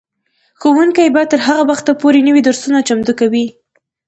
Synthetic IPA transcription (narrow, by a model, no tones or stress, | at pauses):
xowuŋkajbaj̚t̪ːəɾɦaɣawaxt̪apoɾenəwid̪oɾsunat͡ʃamd̪ukawi